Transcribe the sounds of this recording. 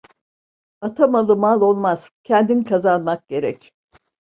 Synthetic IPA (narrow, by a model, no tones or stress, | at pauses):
at̪ʰamalˠɯmalˠo̞lˠmaz̥cʰɛnd̪inikʰazanmak̚ɟ̥e̞ɾɛc